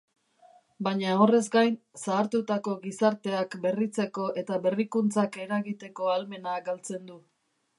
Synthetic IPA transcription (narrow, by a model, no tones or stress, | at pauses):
baɲao̞re̞zɡajn | saːɾt̪ut̪ako̞ɣisaɾt̪e̞akbe̞rit͡se̞ko̞ʔe̞t̪aβe̞rikunt͡sake̞ɾaɣit̪e̞ko̞alme̞naɡalt͡se̞nd̪u